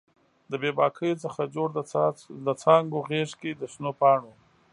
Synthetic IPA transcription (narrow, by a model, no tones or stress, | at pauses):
d̪əbebɑkʰəjot͡səxad͡ʒoɽd̪ət͡sɑŋɡoɣeʂked̪əʃnopɑɳo